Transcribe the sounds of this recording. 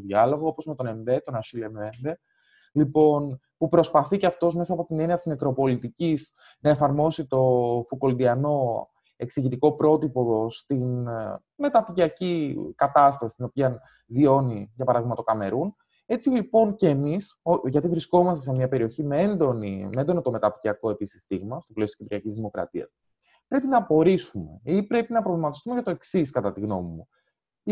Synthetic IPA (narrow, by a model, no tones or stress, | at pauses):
oðiɐlo̞ɣoopo̞zmet̪o̞ne̞mbe̞t̪o̞nɐʃilemenb̪e̞ | lipo̞n | pupɾo̞spɐθiceɐft̪o̞zme̞sɐːpo̞t̪ine̞niɐt̪izmekɾo̞po̞lit̪iciz | nɐe̞fɐɾmo̞sit̪o̞fuko̞ld̪iɐno̞ | e̞ksiʝit̪iko̞pɾo̞t̪ipo̞ðo̞st̪in | me̞t̪ɐpiciɐcikɐt̪ɐst̪ɐsi̥st̪ino̞piɐn | vio̞niʝɐpɐɾɐðiɣmɐt̪okɐme̞ɾun | e̞t͡silipo̞nce̞ːmisoʝɐt̪ivɾisko̞mɐst̪esemɲɐpe̞ɾio̞çimeend̪o̞nimeend̪o̞not̪o̞me̞t̪ɐpicɐko̞episi̥st̪iɣmɐst̪opleot̪ocʲit̪ɾiɐcizðimo̞kɾɐ̰t̪iɐ̰s | pɾe̞pinɐpo̞ɾisume̞̰ipɾe̞pinɐpɾo̞vlimɐt̪ist̪umeʝɐt̪o̞e̞ksiskɐt̪ɐt̪iɣno̞mimu